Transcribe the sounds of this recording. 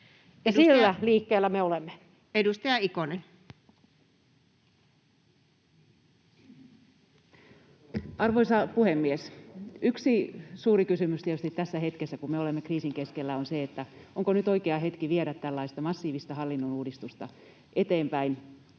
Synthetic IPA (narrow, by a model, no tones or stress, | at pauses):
jɑsilːæliːkːeːlːæmeolemːe | edust̪ɑjɑikonen | ɑrʋoisɑpuhemːiesyksisuːɾikysymyst̪iet̪yst̪it̪t̪æsːæhet̪kesːækummeolemːekriːsiŋkeskelːæonseet̪ːæoŋkonyt̪oikeɑɦet̪kiʋieɾæt̪t̪ælːɑist̪ɑmɑsːiːʋist̪ɑhɑlːinːonuːdist̪ust̪ɑ̰ | ʔet̪eːmpæin